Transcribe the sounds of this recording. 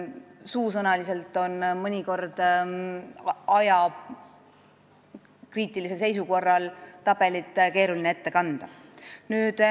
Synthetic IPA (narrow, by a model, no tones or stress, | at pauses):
suːsɤnɑlise̞lt̪ːˑo̞nmɤnʲiko̞rd̪̥ | ɑjɑ | kriːt̪ːˑilise̞lsejs̬uko̞rːɑlt̪ɑb̥e̞lit̪ːˑke̞ːɾulinee̞t̪ːe̞kɑnd̪̥ɑnyːd̪̥